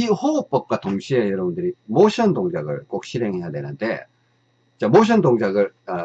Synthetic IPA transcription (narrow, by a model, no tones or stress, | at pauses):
ihoop̚p͈ʌp̚k͈watoŋɕʰie̞jʌɾʌbundɯɾimoɕʰʌndoŋd͡ʑaɡɯ̰ɭk͈ok̚ɕ͈ʰiɾeŋɦe̞jadwe̞nɯnde̞̰ | it͡ɕ͈amoɕ̬ʰʌndoŋd͡ʑaɡɯɭa